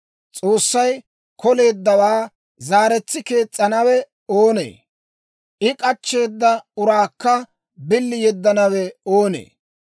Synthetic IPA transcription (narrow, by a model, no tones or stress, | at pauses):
t͡sʼoːsːɐj | kɔle̞ːd̪ːɐwaː | zaːɾɛt͡sːɪke̞ːt͡sʼːɐnɐwɛ | oːnḛː | ʔɪkʼɐt͡ʃːe̞ːd̪ːɐʊɾaːkːɐ | bɪlːɪjɛd̪ːɐnɐwɛoːnḛː